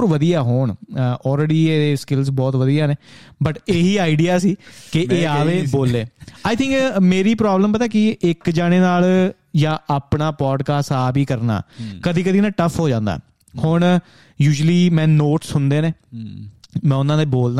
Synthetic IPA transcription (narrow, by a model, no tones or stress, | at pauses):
ɾʋəd̪ijaːɦoːɳɔːlɾeːɖiːeːeːskɪlsbɔːt̪ʋəd̪iːjaːneːbəʈeːɦiːaːɪɖijaːsiːkɪeːaːʋeːboːlːeːaːit̪ʰɪ̃ŋkmeːɾiːpɾaːbləmpət̪aːkɪɪkd͡ʒaːɽ̃eːnaːl | jãːʔaːpɳaːpɔːɖkaːsaːbiːkəɾna̰ːkəd̪iːkəd̪iːnaːʈəpʰɦoːd͡ʒãːnd̪a̰ː | hʊɳ | juːʒəliːmɛ̃ːnoːʈsɦʊnd̪eːneː | mɛ̃ːʊnãːd̪eːboːld̪